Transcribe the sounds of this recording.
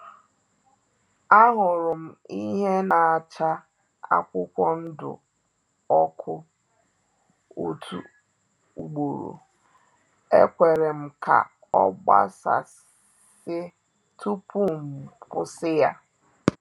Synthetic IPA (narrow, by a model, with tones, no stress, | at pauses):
a˦ɦʊ˨ɾʊ˨m̩˦i˦ɦe˦na˨a˨t͡ʃa˦ | a̰˦kʷʊ˦kʷɔ˦n̩˦dʊ̰˨ | ɔ˦kʰʊ˦ | o˦tʰu˨ | u˨ɡ͡bo˨ɾo̰˨ | e˦kʷe˨ɾe˨m̩˦kʰa̰˨ | ɔ˦ɡ͡ba̰˦sa̰˨ | sɪ˦ | tʰu˦pʰu˦m̩˨pʊ˦sɪ˦ja˦